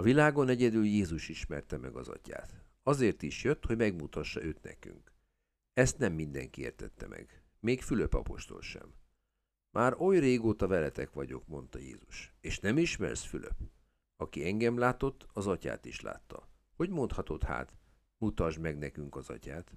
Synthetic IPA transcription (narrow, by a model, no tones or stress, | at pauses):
ɒvilaːɡo̞nɛɟɛd̪yljeːzuʃiʃmɛrt̪ɛmɛɡɒzɒ̰ca̰ːt̪ | ɒzeːrt̪iʃjøt̪ho̞ɟmɛɡmut̪ɒʃːɒʔøːt̪nɛ̰ky̰ŋk | ɛst̪nɛmːind̪ɛŋkieːrt̪ɛt̪ːɛmʔɛ̰ɡ | meːkfyløpɒ̰po̞ʃt̪o̞̰lʃɛ̰mː | ʔaːɾo̞jreːɡoːt̪ɒvɛlɛt̪ɛkʋɒɟo̞̰kmo̞n̪t̪ɒjḛːzuʃeːʃnɛmiʃmɛ̰rsfylø̰p | ɒkiɛŋɡɛmlaːt̪o̞t̪ːɒzɒca̰ːt̪iʃla̰ːt̪ːɒ̰ | ho̞ɟmo̞nt̪hɒt̪o̞t̪ha̰ːt̪ | mut̪ɒʒmɛɡnɛkyŋkɒzɒ̰caːt̪